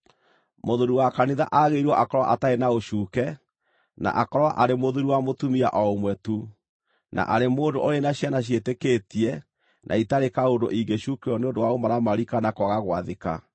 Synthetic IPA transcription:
moðuɾuwakaniðaʔaɣeiɾwɔʔakɔɾwa̰ʔataenaoʃuːkɛ | na̰ʔakɔɾwaʔaɾemoðuɾuwamotumia̰ʔɔomwɛtu | na̰ʔaɾemoːndoʔoɾenaɕjanaɕ̬jetekeːtiɛ | nʔa̰itaɾekaondo̰ʔiɡeɕuːkeɔneondowaomaɾamaɾikanakwaɣaɣwaðeka̰

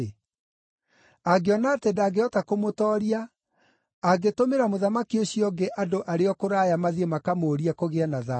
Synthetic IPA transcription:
aɡeɔnaːtɛdaːɡeɔtakomotɔːɾiaː | ɡetomeɾamoðamakioɕiɔɡeʔadoʔaɾeɔkoɾaːjamaðiemakamoːɾiakoɣeanaða

